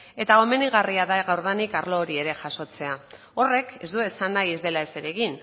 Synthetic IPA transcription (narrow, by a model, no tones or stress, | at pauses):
e̞t̪ao̞me̞niɣ̞ariaðaɣawɾð̞enikaɾlo̞ːɾie̞ɾe̞ʝaso̞t͡se̞a | o̞re̞ke̞zd̪ue̞sanːajezðe̞lae̞se̞ɾe̞ɣin